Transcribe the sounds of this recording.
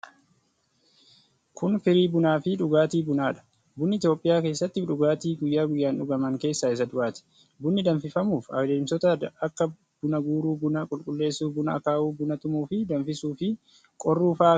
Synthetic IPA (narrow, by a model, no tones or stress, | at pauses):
kʰʊnfɪɾiːbʊnaːfɪᶑʊɡaːt̪iːbʊnaːᶑɐ̥ | bʊnːɪɪt̪joːpʼːɪjaːke̞ːsːɐt̪ːɪfᶑʊɡaːt̪iːɡʊjːaːɡʊjːaːnᶑʊɡɐmɐŋke̞ːsːaːɪs̬ɐd̪ʊaːt̪ɪ̥ | bʊnːɪd̪ɐɱfɪfɐmuːfɐ̰wd̪eːmsɔt̪ɐɐkːɐ | bʊnɐɡuːɾuːbʊnɐkʼʊlkʼʊlːe̞ːsːuːfbʊnɐɐkaːʔuːbʊnɐt̪ʊmuːfɪd̪ɐɱfɪsuːfɪ | kʼɔrːuːfaː